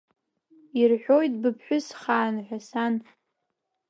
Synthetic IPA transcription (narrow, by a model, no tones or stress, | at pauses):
irħʷᶣojt̚ʼbɨpʰħʷᶣʊsχaːnħʷᶣasan